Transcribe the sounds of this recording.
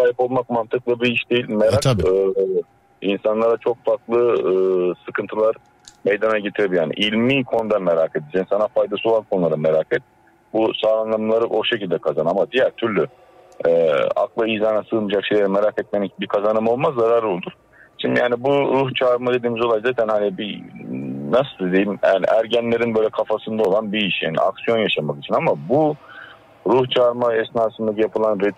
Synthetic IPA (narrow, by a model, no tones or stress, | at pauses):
saːjipo̞lˠmakmant̪ʰɯklˠabiiʃd̪e̞jilʲmeɾaɯ | insanlˠaɾat͡ʃʰo̞kfaɾklˠɯ | sɯkʰɯnt̪ʰɯlˠaɾ | mejd̪anaɟet̪ʰiɾebijaːnḭʔilʲmikʰo̞nd̪anmeɾaked̪id͡ʒɛnsanafajd̪asɯolˠankʰo̞nulˠaɾameɾakʰɛt̪̚ | busaːlˠanlˠamlˠaɾɯʔo̞ʃe̞cilʲd̪ɛkʰazanamad̪ijæɾt̪ʰyɾlʲy | ɛa̰klˠaijzaːnasɯlˠmɯd͡ʒakʃe̞jlʲeɾɛmeɾakɛt̪̚menicbikʰazanɯmo̞lˠmazːaɾaɾɯo̞lˠuɾ̥ | ʃimd̪ijaːnibuɾuht͡ʃʰaːɾmad̪e̞d̪iːmizoajzaːt̪ʰænhanibi | nasɯd̪id̪ejimanḭʔæ̰ɾɟænlʲe̞ɾinbø̞jlʲɛkʰafasɯnd̪aolˠanbiiʃja̰ːnḭa̰ksijo̞njaʃamakit͡ʃʰinamabu | ɾuht͡ʃʰaːɾmaɛsnaːsɯnd̪acijapʰɯlˠanɾɛ